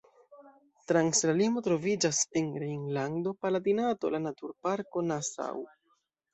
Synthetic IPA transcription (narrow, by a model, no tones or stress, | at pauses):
tɾaŋslalimo̞tɾo̞vid͡ʒase̞nɾeiŋlando̞paladinato̞̰lanatuɾpaɾko̞nasa̰w